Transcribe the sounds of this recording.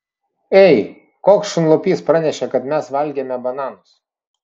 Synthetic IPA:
ɛɪ | koːksʃʲʊnlˠɔpʲiːspɾɑːnʲɛʃʲɛkɐt̪mʲɛsʋɐlʲɡʲemʲɛbɐnɑːnʊs

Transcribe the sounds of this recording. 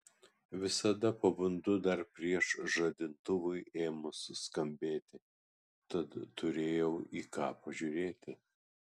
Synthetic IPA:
ʋʲɪsɐd̪ɐpɐbʊnd̪ʊd̪ɐɾpʲɾʲiɛʃʒɐd̪ʲɪnt̪ʊʋʊɪʔeːmʊsskɐmʲbʲeːt̪ʲɪ | t̪ɐt̪t̪ʊɾʲeːjɛʊiːkɑːpɐʒʲuɾʲeːt̪ʲɪ

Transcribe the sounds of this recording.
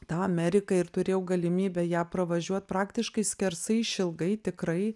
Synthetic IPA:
t̪ɑːɐmʲæɾʲɪkɐɪrt̪ʊɾʲeːjɛʊɡɐlʲɪmʲiːbʲɛjæːpɾɐʋɐʒʲuɔt̪̚pɾɑːkt̪ʲɪʃkɐɪsʲkʲɛɾsɐɪʃʲɪlˠɡɐɪt̪ʲɪkɾɐɪ

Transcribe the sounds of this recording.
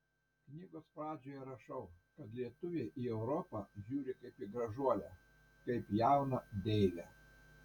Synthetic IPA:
knʲiːɡoːspɾɑːd͡ʒʲoːjɛɾɐʃɐʊ | kɐt̪lʲiɛt̪ʊʋʲeːʔiɛʊɾɔpɑʒʲuːɾʲɪkɐɪpiɡɾɐʒuɔlʲæ | kɐɪpjæˑʊnɐd̪ʲɛɪlʲæ

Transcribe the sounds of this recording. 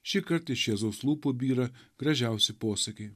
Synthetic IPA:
ʃʲɪkɐɾt̪ɪʃʲiːzoːslˠuːpobʲiːɾɐɡ̥ɾɐʒʲæˑʊsʲɪpoːsɐkʲeɪ

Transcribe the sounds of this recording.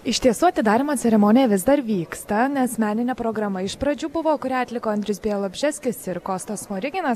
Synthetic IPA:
ɪʃt̪ʲiɛsuːɐt̪ʲɪd̪ɑːɾʲɪmɐːt̪t͡s̪ʲɛɾʲɛmoːnʲɪjɛʋʲɪzd̪ɐɾʋʲiːkst̪ɐnʲɛsmʲæːnʲɪnʲɛːpɾoːɡɾɐmɐɪʃpɾɐd͡ʒʲuːbʊʋoːkʊɾʲæːɐt̪ʲlʲɪkoːɐnʲd̪ɾʲɪsbʲeɛlˠobʲʒʲæːsʲkʲɪsɪɾkoːst̪oːsmoːɾʲɪɡʲɪnɐs

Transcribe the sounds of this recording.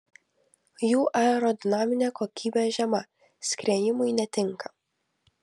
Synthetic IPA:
juːʔɐɛɾɔd̪ʲɪnaːmʲɪnʲɛkɔkʲʰiːbʲɛʒʲɛmɐ | sʲkɾʲɛjɪmʊjnʲɛt̪ʲɪŋkɐ

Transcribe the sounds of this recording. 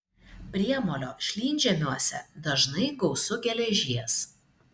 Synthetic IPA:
pʲɾʲiɛmoːlʲoːʃʲlʲiːnʲd͡ʒʲɛmʲuɔsʲɛd̪ɐʒnɐɪɡɒʊsʊɡʲɛlʲɛʒʲiɛs

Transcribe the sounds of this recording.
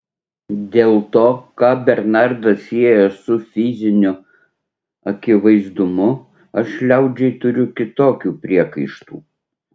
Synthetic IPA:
d̪ʲeːlˠt̪oːkɑːbʲɛɾnɑɾd̪ɐsiɛjɛsʊfʲɪzʲɪnʲʊ | ɐkʲɪʋɐɪzd̪ʊmʊ | ɐʃlʲɛʊd͡ʒʲɛɪt̪ʊɾʲʊkʲɪt̪oːkʲuːpʲɾʲiɛkɐɪʃt̪ṵː

